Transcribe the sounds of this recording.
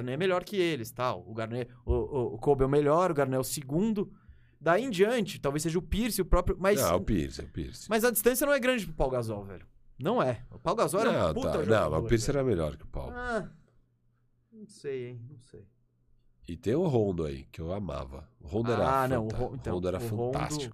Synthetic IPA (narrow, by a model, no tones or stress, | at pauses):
ɡɾnɛɛmeʎɔɾkɪelɪst̪awʊɡaɾneʊkobɛwmeʎɔɾʊɡaɾnɛɛwsɪɡũnd̪ʊ | d̪aiẽd͡ʒiɐ̃nt͡ʃɪt̪awvejsːeʒɐʊpiɾsɪʊpɾɔpɾjʊmɐjz̃ɛʊpḭɾsɛ̰ʊpḭɾsɪ̥mɐjzɐd͡ʒist̪ɐ̃sjɐnɐ̃w̃ɛɡɾɐ̃d͡ʒɪpɾʊpawɡazɔwvɛ̰ʎʊ | nɐ̃w̃ɛʊpawɡazɔwɛɾɛ̃ɐ̃pua̰ɐnɐ̰̃w̃mɐ̰zʊpiɾsɪɛɾɐmeʎɔ̰ɾkɪʊpa̰wa | nɐ̃w̃sejẽj̃nɐ̃w̃sej | ɪt̪ẽj̃ʊɦõd̪ʊa̰ḭkɪewama̰vɐ̰ʊhõnd̪ʊɛɾɐanɐ̃w̃ʊõẽõd̪ʊɛɾɐ̃fɐ̃õa̰sd̪t͡ʃikʊ